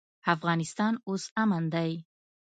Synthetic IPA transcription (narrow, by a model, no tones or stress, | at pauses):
afɣɑnɪst̪ɑnosamand̪aj